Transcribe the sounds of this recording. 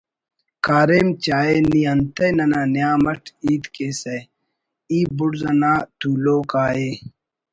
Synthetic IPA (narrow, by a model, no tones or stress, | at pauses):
kaːɾeːmt͡ɕaːeːniːɐnt̪ɐjnɐnaːnjaːmɐʈʰiːt̪keːse | iːbʊɽzɐnaːt̪uːloːkaːeː